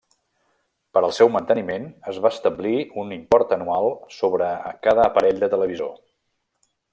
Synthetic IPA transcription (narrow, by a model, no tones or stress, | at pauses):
pəɾəlˠsɛwmənt̪ənimenəzβaəst̪əbliunimpɔrt̪ənualˠsoβɾəkaðəːpəɾɛʎd̪ət̪ələβ̞izo̰